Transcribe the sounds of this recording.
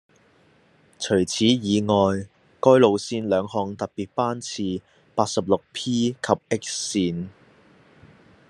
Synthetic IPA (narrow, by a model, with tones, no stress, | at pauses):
t͡ʃʰɵ˨˩ɥt͡sʰiː˨˥jiː˨˧ŋɔː˨j | kɔː˥jlo˨wsiː˧nlœː˨˧ŋhɔː˨˧ŋt̪ɐ˨t̚piː˨t̚paː˥nt͡sʰiː˧ | paː˧t̚sɐ˨p̚lʊ˨k̚pʰiː˥kʰɐ˨p̚ɪ˥k̚ːiː˧n